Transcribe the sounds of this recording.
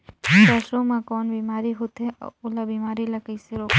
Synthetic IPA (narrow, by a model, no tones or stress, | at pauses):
kɐʃomãkɔːnbiːmaːɾiɦot̪ɦḛʊlabiːmaːɾilɐkəiseɾoːk